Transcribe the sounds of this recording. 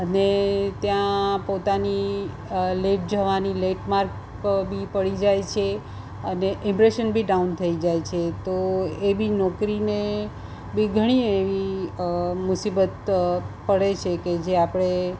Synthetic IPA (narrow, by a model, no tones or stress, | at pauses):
ənet̪jãpot̪ani | leʈ̚d͡ʒəʋanileʈmaɾk | bʱipəɭid͡ʒajt͡ʃʰe | əneʔɪ̃mpɾeʃənbʱiɖaunt̪ʰəid͡ʒajt͡ʃʰet̪oebinɔkɾine | biɡʱəɽ̃ieʋi | mʊsibət̪pəɽet͡ʃʰeked͡ʒeapɽ̃e